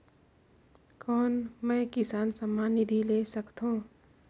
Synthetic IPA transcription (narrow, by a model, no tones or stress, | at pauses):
kɔːnmɛ̃ːkɪsaːnsəmaːnid̪ʱileːsɐkt̪ɦõː